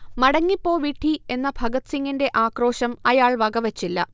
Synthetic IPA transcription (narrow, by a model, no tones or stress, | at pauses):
mɐɽɐŋːipːo̞ːʋiʈʰːie̞nːɐbʱɐɡɐt̪siŋːinde̞ʔaːkro̞ːɕɐmɐjaːɭʋɐɡɐʋɐt͡ɕːilːɐ̰